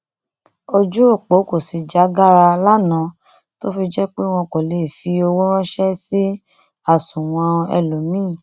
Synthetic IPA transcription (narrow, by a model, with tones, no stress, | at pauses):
o˧d͡ʒu˦o˦˨k͡po˨˦ko˦˨si˨˧d͡ʒa˨˦ɡa˦ɾa˧la˦nã˨˦ | to˦fi˧d͡ʒɛ˦k͡pe˦w̃ɔ̃˧ko˨le˨˦i˨fi˧o˧wo˦ɾ̃ɔ̃˦ʃɛ˦si˦ | a˦˨sũ˨w̃ɔ̃˧ɛ̰˧lo˨mĩː˦˨